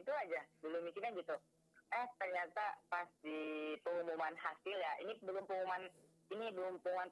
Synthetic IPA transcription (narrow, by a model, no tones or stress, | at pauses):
it̪uad͡ʒabəlʊmbiskinɲaɡit̪u | ʔəht̪ərɲat̪apast̪ipəŋumumanhasɪljainibəlʊmpəmuman | inibəlʊmpəŋuman